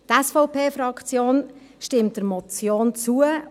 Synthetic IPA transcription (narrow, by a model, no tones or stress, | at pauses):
tɛsfɔʊpeːfɾɑkt͡sjoːnʃtɪmt̚d̥əɾmɔt͡sjoːnt͡suə